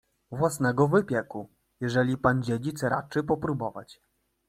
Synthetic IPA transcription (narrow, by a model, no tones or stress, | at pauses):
vwasnɛɡɔvɘpʲjɛku | jɛʐɛlʲipand͡ʑed͡ʑit̪sɾa̰t͡ʂɘpɔpɾubɔva̰t͡ɕ